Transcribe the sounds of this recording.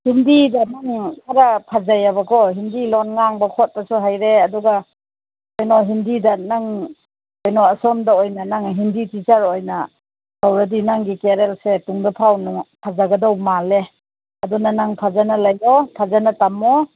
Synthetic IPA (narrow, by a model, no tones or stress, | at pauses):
hindidanaŋkʰaɾapʰazajabakʰɔɦindilɔnŋaŋbakʰɔt̚basuɦajɾeaduɡa | ojnɔɦindidanaŋ | ojnɔasɔmdaojnanaŋɦinditisaɾojna | tawɾadinaŋɡikeɾelsetuŋdapʰawnɔpʰazaɡɐdawmale | ɐdunanaŋpʰazanalajɔpʰazanatamɔ